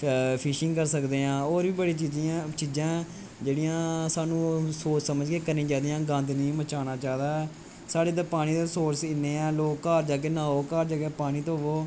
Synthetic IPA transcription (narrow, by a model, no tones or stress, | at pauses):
pʰɪʃɪ̃ŋɡkəɾsəkd̪eːãːoːɾʋiːbəɽiːt͡ʃid͡ʒt͡ʃiːd͡ʒãː | d͡ʒeːɽijãːsaːnũːsoːt͡ʃsəməd͡ʒkeːkəɾnĩːd͡ʒaːd̪ijãːɡə̃nd̪nĩːmət͡ʃaːnaːt͡ʃaːd̪aːɛ | saːɽeːd̪aːpaːɽ̃iːd̪aːsoːɾsɪnːeːɛ̃ːloːkːaːɾd͡ʒaːk̬eːnãːoːkaːɾd͡ʒaːkeːpaːɽ̃iːt̪oːɦʋoː